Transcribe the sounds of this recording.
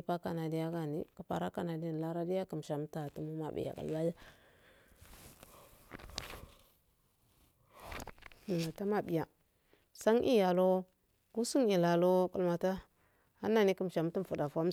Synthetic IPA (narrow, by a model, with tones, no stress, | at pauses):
pa˦ka˨na˨di˦ja˦ɡa˨nḭ˨ku˨pa̰˨ɾa˦ka˨na˨di˦n˨la˦ɾa˦di˦ja˦kə˨m˨ʃa˨m˦ta˨tu˦mu˦ma̰˨bḭ˨ja̰˨ka̰˨lba˦ja˦˨ | ma˨ta˦ma˨bi˨ja˨ | sa˦ŋʔḭ˦ja˨lo˦ | ɡu˦su˦ŋi˨la˨lo˦ku˦lma˨ta˦ | a̰˦nːa˨ni˦kə˦m˨ʃa˨m˦ti˦˨fu˨da˨fa˦m˦